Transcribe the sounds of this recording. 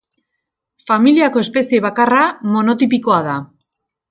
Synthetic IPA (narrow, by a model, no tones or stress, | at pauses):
familiako̞e̞spe̞sieβakaramo̞no̞t̪ipiko̞að̞a